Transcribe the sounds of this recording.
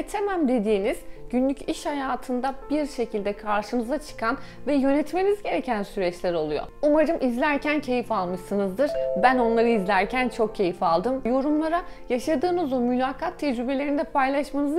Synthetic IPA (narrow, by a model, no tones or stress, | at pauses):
t̪ʰemæmd̪e̞d̪iːniz̥ɟynlʲyciʃhajaːt̪ʰɯnd̪abiɾʃe̞cʰilʲd̪ɛkʰaɾʃɯnɯzat͡ʃʰɯ̥kanvɛjø̞nɛt̪me̞nizɟe̞ɾecʰænsyɾɛt͡ʃlʲæɾo̞lˠujo̰umaɾɯmʔizlʲæɾcʰæncʰe̞jifalˠmɯʃsɯnɯzd̪ɯɾ̥bæno̞nlˠaɾɯizlʲæɾcʰænt͡ʃʰo̞k̚cʰe̞jifalˠd̪ɯmjo̞ɾumlˠaɾa | jaʃad̪ɯːnɯzo̞mylʲaːkʰat̪ʰːɛd͡ʒɾybe̞lʲeɾinid̪ɛpʰajlˠaʃmanɯz